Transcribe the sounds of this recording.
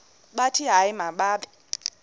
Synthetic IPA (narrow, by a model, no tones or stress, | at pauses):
ɓatʰiɦaimaɓaːɓɛ